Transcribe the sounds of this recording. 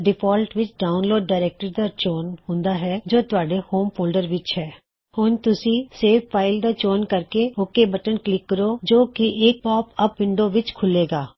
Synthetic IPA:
ɖɪpʰɔːlʈʋɪt͡ʃɖaːʊnloːɖːaːɪɾɛːk̚ʈəɾd̪aːt͡ʃoːnɦʊ̃nd̪aːɦɛːd͡ʒoːt̪ʊaːɖeːhoːmpʰoːlɖəɾʋɪt͡ʃɦɛː | hʊnt̪ʊsĩːseːpʰːaːɪld̪aːt͡ʃoːnkəɾkeːokeːbəʈənklɪkːəɾoːd͡ʒoːkɪʔeːk̚pɔːpəpːɪɳɖõːʋɪt͡ʃkʰʊleːɡaː

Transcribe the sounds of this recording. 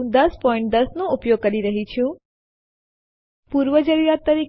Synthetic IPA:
d̪əspɔĩɳʈ̚d̪əsnõupjoɡ̚kəɾiɾəɦit͡ʃʰũ | puɾʋəd͡ʒəɾiɾat̪ːəɾik

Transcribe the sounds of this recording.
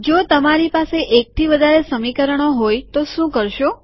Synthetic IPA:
d͡ʒot̪əmaɾipaseʔek̚t̪ʰiʋəd̪ʱaɾesəmikəɾəɳ̃oɦojt̪oʃũkəɾʃo

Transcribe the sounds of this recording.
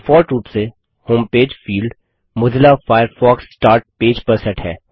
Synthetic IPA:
fɔːɾʈɾuːpse | hõːmpeːd͡ʒfiːlɖ | mʊd̪ɪlafaːɪəɾfɔːksːʈaːɾʈ̚peːd͡ʒpəɾsɛ̃ʈhɛː

